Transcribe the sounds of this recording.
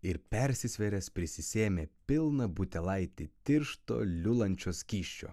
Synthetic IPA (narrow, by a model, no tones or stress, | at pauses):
ɪɾpʲɛɾʲsʲɪsʲʋʲɛɾʲɛspʲɾʲɪsʲɪsʲeːmʲeːpʲɪlˠnɐbʊt̪ʲɛlˠɐɪt̪ʲɪt̪ʲɪɾʃt̪o̰ːlʲʊlˠɐnʲt͡ʃʲoːsʲkʲiːʃʲt͡ʃʲo̰ː